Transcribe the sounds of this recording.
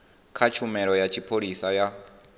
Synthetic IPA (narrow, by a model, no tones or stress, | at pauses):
kʰat͡ʃʰumɛɺɔjat͡ʃʰipʰoɺisaja